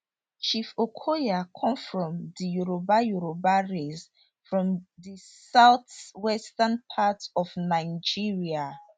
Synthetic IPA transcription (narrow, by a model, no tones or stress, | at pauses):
t͡ʃifokʰojakʰɔ̃mfɹɔ̃mðijuɹobajuɹobaɹez | fɹɔ̃mðisaʊθwɛstanpʰatɔvnaɪd͡ʒiɹia